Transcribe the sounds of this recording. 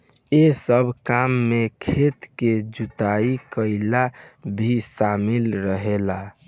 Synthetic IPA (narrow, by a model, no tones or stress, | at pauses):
esəbʱkamːekʰet̪ked͡ʒut̪aikəɪlabʱisamilɾəɦela